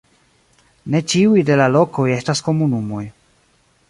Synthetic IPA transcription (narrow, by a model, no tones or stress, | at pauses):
ne̞t͡ʃiujde̞lalo̞ko̞je̞stasko̞munumo̞j